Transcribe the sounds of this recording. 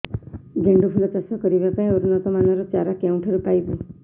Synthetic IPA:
ɡʱeɳɖupʰulɔt͡ʃasɔkɔɾibapaĩoɾunɔt̪ɔmanɔɾɔt͡ʃaɾakaw̃ɳʈʰɔɾupajbu

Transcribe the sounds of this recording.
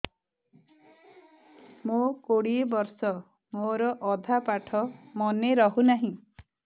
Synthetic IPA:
mokoɽiebɔɾsɔ | moɾɔʔɔd̪ʱapaʈʰɔmɔneɾɔɦunaɦĩ

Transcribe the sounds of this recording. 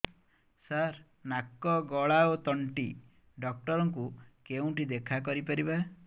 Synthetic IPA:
saɾ | nakːɔɡɔɭaot̪ɔɳʈi | ɖɔk̚ʈɔɾɔŋkukeũʈid̪ekʰak̬ɔɾipaɾiba

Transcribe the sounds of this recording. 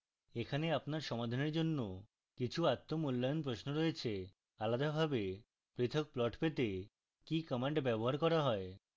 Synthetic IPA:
ekʰaneapnaɾʃɔmad̪ʱaneɾd͡ʑonːo | kit͡ɕʰuat̪ːomulːajonpɾosnoɾɔet͡ɕʰe | alad̪abʱabe | pɾit̪ʰok̚plɔʈpet̪e | kikɔmeɳʈbɛboɦaɾkɔɾaɦɔe

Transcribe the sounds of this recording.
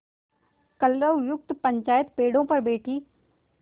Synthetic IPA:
kɐlɾəʋjʊk̚t̪pɐɲt͡ʃaːjət̪peːɽõpɐɾbeːʈʰiː

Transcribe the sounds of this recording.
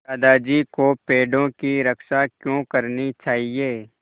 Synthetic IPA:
aːd̪aːd͡ʒikopeːɖõkiɾəkʃakjõːkəɾnit͡ʃaːɦieː

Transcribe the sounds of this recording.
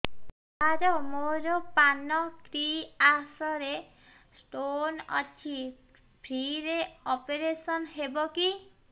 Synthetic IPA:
aɾɔmoɾɔpanɔkɾiasɔɾe | sʈonɔ̰t͡ʃʰi | bʰʱɾiɾeɔpeɾesɔnɦebɔki

